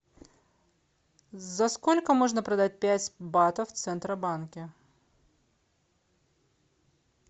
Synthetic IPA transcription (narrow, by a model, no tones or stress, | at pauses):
zɐskolʲkəmo̞ʐnəpɾɐd̪at̚ʲpʲætʲbat̪əft̪sɛnt̪ɾəbankʲɪ